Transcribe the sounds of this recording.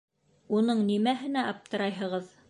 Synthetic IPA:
unɤɴnimæɦɘ̆næʔɑp̚t̪ɤ̆ɾɑjɦɤ̆ʁɤð

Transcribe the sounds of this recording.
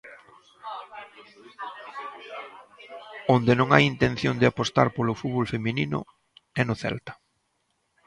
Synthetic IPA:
ond̪ɪnõŋa̰jint̪ẽn̟θjond̪ɪapost̪a̰ɾpolʊfuðβolfemĩninʊ̰ | ɛnʊθɛ̰lt̪ḁ

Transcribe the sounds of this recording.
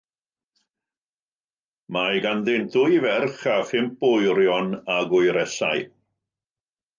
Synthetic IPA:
majɡanðɪntʰʊjvɛrχafɪmp̚ʊjɾjɔnaɡʊɨɾɛsa̰j

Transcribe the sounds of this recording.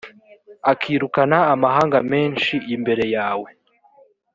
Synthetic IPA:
akʰiːɾukanaːmaɦaːŋɡame̞ːnʃiʔimbe̞ɾe̞jaːwe̞

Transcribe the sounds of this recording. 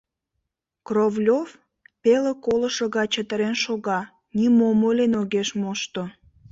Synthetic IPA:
krovlʲov | peləkoləʃoɣɑt͡ɕət̪əɾenʃoɣɑ | nimomolʲenoɣeʃmoʃt̪o

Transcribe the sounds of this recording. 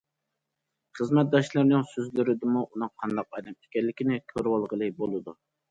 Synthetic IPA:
χəzmɛt̪̚d̪ɑʃlˠɨɾnɨŋsøzlyɾɪd̪ɪmuʔunɨŋqʰɑnd̪ɑq̚ɑd̪ɛme̥kʲɛlːɪkʲinɪkʲʰøɾwɑlˠʁəlˠɨbolˠɨd̪u

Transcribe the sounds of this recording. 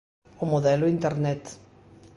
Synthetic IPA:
ʊmoðɛlʊint̪eɾnɛt̪

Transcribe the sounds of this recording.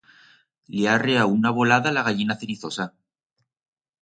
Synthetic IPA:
leareaunaβolaðalaɣaʎinaθeɾiθo̞sa

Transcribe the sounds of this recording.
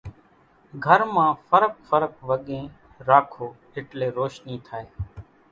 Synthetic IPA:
ɡʱəɾmãːfəɾək̚fəɾəkʋəɠẽː | ɾaːkʰoː | ɪʈleːɾoːʃniːt̪ʰaːeː

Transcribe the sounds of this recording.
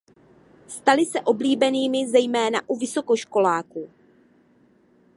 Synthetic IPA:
st̪alɪsɛʔo̞bliːbɛniːmɪzɛjmɛːnaʔuvɪso̞ko̞ʃko̞laːku

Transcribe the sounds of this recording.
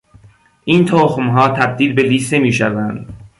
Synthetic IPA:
ʔiːnt̪ʰoːxmɦɒːt̪ʰæb̚d̪iːlbe̞liːsnemiːʃævænd̪

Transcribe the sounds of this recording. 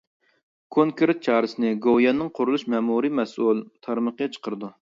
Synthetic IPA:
kʰoŋkeɾt̪̚t͡ʃʰɑːɾɨsɪnɪɡojɑnːɨŋqʰʊɾulˠuʃmɛmuɾimɛsulˠt̪ʰɑɾməqəjɛt͡ʃʰə̥qəɾɨd̪u

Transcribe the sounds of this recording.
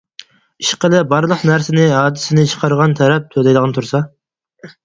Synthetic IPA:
iʃqəlˠɪbɑɾlˠəqnæɾsɪnɪɦɑːd̪ɪsɪnɪt͡ʃʰqʰɑɾʁɑnt̪ʰɛɾɛp̚t̪ʰølɛjlˠəʁənɨt̪ʰuɾsɑ

